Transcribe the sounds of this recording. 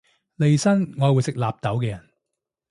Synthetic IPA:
le˨jsɐ˥nŋɔː˨˧wu˨˧jsɪ˨k̚laː˨p̚t̪ɐ˨˥wkɛː˧jɐ˨˩n

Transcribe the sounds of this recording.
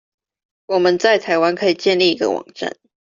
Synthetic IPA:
wɔ˨˩mə˦nt͡sa˥˩ɪt̪ʰa˧˥ɪwa˦nkʰɤ˧˥i˨˩t͡ɕjɛ˥˧nli˥˩i˧˦˥ɡə̰˧wɑ̰˨˩ŋʈ͡ʂa̰˥˨˩n

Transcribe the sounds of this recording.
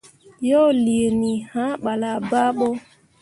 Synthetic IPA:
jɔ˦li˨e˨ni˨hã˦ɓa˨la˨ba˦ɓɔ˦

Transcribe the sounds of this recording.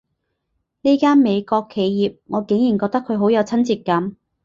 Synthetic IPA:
ne˥kaː˥nme˨˧jkɔː˧kʰːe˨˧jjiː˨p̚ŋɔː˨˧ke˨˥ŋjiː˨˩nkɔː˧k̚t̪ɐ˥kʰɵ˨˧ɥɦo˨˥wjɐ˨˧wt͡sʰɐ˥nt͡siː˧t̚kɐ˨˥m

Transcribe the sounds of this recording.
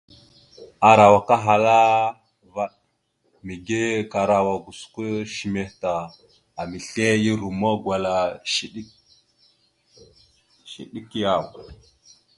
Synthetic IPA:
a˨ɾa˨wa˨ka˦ɦa˨la˦ | va˦ɗ | mi˨ɡe˦ka˨ɾa˨wa˨ɡu˨skʷə˦ʃi˨me˨hta˨ | a˨mi˨ɬe˦ji˦ɾu˨mo˦ɡwa˨la˨ʃi˨ɗi˦ | ʃḭ˨ɗi˦kja˨w

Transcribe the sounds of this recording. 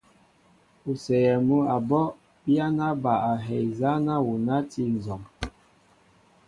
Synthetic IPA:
u˨sɛ˨jɛ˨mu˦a˨bɔ˦ | pja˦na˦ba˨a˨ɦɛ˨jza˦na˦wu˨na˦ti˦n˨zɔ˨ŋ

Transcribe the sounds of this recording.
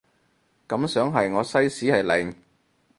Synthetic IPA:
kɐ˨˥msœː˨˥ŋɦɐ˨jŋɔː˨˧sɐ˥jsiː˨˥hɐ˨jlɛ˨˩ŋ

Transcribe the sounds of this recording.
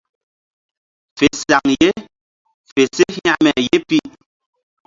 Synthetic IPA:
fe˨sa˨ŋje˦ | fe˨se˦ha˦˨mɛ˨je˦pi˦˨ʔ

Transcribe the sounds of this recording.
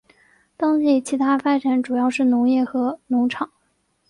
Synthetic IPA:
t̪ɑ˥ŋɕi˥˩t͡ɕʰi˧˥t̪ʰa˥fa˥ʈ͡ʂa˨˥nʈ͡ʂu˨˩jɑ˥˧ʊʂɻ̩˥˩nʊ˧˥ŋjɛ˥˩xɤ˧˥nʊ˧˥ŋʈ͡ʂʰɑ˨˩˦ŋ

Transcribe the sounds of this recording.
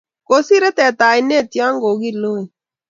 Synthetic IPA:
ko˦si˦ɾe˦t̪ɛ˨t̪aː˨i˨ne˦t̪jãː˦ŋɡo˨ɣi˦lo˦e˨

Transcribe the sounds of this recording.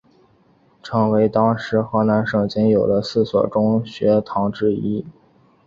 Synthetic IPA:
ʈ͡ʂʰɤ˧˥ŋwe˧˥ɪt̪ɑ˥ŋʂɻ̩˧˥xɤ˧˥na˧˥nʂɤ˥˩ŋt͡ɕjɛ˧˥njo˨˩ʊd̪ə˦sɹ̩˥˩swɔ̰˨˩ʈ͡ʂʊ˥ŋɕɥɛ˧˥t̪ʰɑ˧˥ŋʈ͡ʂɻ̩˥i˥

